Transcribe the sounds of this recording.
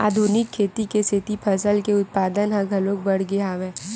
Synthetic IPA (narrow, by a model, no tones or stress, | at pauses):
a̰ːd̪ʱunɪkʰːeːt̪ikest̪ʰɪt̪ipʰɐsəlkeʊt̪̚paːd̪ənɦɐ̃ɡʱɐlõːk̚bɐɽ̤ɡeaːʋẽː